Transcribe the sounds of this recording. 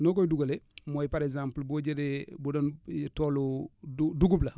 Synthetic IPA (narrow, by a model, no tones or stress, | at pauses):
nokoduɡalemojpaɾekzãmplboɟedebudontoːlu | duɡubla